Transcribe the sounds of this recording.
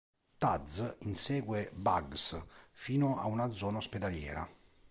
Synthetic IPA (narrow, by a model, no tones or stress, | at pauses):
t̪ad̪zinsɛːɡwebaɡsfiːnʊa̰unad̪zɔːnaosped̪aljɛ̰ːɾa̰